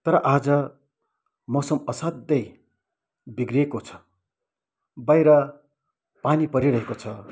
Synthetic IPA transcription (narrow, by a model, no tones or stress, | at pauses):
t̪ʌɾʌʔad͡zʌ | mʌsʌmʌsad̪ːʌj | biɡriekot͡sʰʌ̥ | bajɾʌ | panipʌɾiɾʌɦekot͡sʰʌ